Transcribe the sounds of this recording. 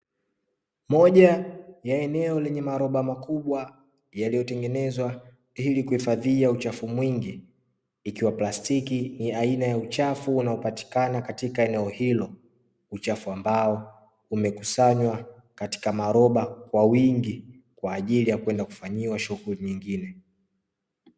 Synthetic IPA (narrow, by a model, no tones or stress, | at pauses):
mɔʄajaɛnɛɔlɛɲɛmaɾɔɓamakuɓwa | jalijɔtɛŋɡɛnɛzwa | hilikuhifaðiaut͡ʃafumwiŋɡiː | kiwaplastikiniainajaut͡ʃafuːnaɔpati̥kanakatikaɛnɛɔhilɔ | ut͡ʃafuambaɔ | umɛkusaɲwa | kati̥kamaɔɾɔɓakwawiŋɡi | kwaːʄilijakwɛndaku̥faɲiwaʃuɣuliɲiŋɡinɛ